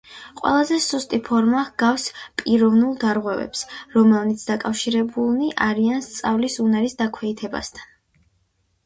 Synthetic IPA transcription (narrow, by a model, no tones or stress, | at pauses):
qʼwɛ̰lˠazɛsust̪ʼipʰɔɾmahɡ̥afspʼiɾɔvnulˠd̪aɾʁwɛvɛ̰psɾɔmɛlˠnit̪sʰd̪akʼafʃiɾɛbulˠniʔaɾianst̪sʼavlisunaɾisd̪akʰwɛit̪ʰɛba̰st̪ʰan